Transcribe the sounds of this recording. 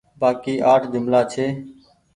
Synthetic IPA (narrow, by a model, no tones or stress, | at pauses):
baːkiːʔaːʈʰd͡ʒɪmlaːt͡ʃʰeː